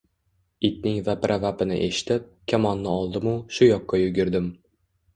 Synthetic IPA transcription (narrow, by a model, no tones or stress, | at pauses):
it̪̚nɪŋvapɾʔavapɪnɪ̰ʔeʃɪ̥t̪ʰɪp̚kʲʰamɒnːɪɒlˠd̪ɪmʊʃʊjɒqːɑjʊɡʲɪɾd̪ɪm